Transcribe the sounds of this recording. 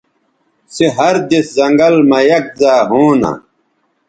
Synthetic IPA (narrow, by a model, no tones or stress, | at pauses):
seɦɐɾd̪eszɐŋɡɐlmɐjɐk̚zaːɦoːna̰